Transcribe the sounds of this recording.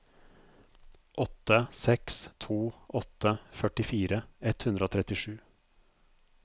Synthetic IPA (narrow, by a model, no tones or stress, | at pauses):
ʔɔt̪ːəsɛkst̪ʰuːʔɔt̪ːəfœʈɪfiːɾəɛt̪hʉnd̪ɾəoːt̪ʰɾɛt̪ɪʂʉː